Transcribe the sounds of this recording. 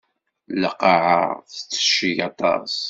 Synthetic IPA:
ləqːɑʕə̰θət͡sːə̥ʃːiʝɑt̪ˤɑ̰s

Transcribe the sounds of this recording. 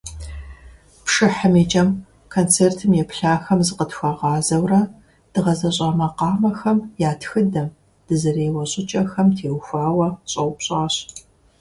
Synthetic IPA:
pʂɨħəmiːt͡ʃʼɐm | kʰoːnt͡sʰeːrtʰɨmjɛpɬaːxɐmzɨqətxʷaʁɑːzɐwrɐ | d̥ɨʁɐzɐɕʼɑːmɐqɑːmɐxɐmjaːtxɨdɐm | d̥ɨzɐreːwɐɕʼɪt͡ʃʼɐxɐmtʰeːwxʷaːwɐɕʼɐwpɕʼɑːɕ

